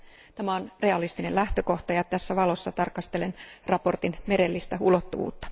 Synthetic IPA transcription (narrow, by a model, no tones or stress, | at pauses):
t̪æmæo̞nre̞ɑlist̪ine̞læht̪ø̞ko̞ht̪ɑjɑt̪æsːæʋɑlo̞sːɑt̪ɑrkɑst̪e̞le̞nrɑpo̞rt̪inme̞ɾelːist̪æulo̞t̪ːuʋṵːt̪ːɑ̥